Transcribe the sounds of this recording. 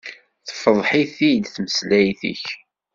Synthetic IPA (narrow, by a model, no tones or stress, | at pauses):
θfəðˤħiθid̪θməslæjθḭç